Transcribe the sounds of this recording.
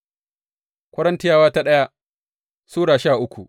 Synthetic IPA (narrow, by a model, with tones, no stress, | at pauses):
kʷɐ˦ɽɐ˦ntɪ˦jaː˦waː˦ta˦ɗɐ˦ja˦ | suː˦ɽaː˨ʃaː˦˨ʔʊ˦kʷu˨ʔ